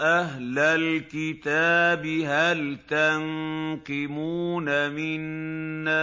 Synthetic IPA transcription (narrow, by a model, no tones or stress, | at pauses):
ʔaɦlalkɪt̪aːbɪɦalt̪anqɪmuːnamɪnːa